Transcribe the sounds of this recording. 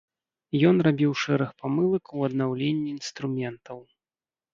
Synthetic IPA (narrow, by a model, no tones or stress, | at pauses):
jɔnrabʲiwʂɛɾɨxpamɨlˠɐkwɐd̪nawlʲenʲːiːnst̪ɾumʲɛnt̪ɐw